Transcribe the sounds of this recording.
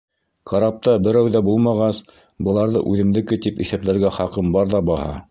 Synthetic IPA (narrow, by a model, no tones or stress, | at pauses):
qʰɑɾɑp̚t̪ɑbɘ̆ɾæwðæbulˠmɑʁɑs | bɤ̆lˠɑɾðɤ̰ʔʉðɘ̆md̪ɘ̆kɘt̪ipiθæplæɾɡæχɑqɤmbɑɾðɑbɑhɑ̰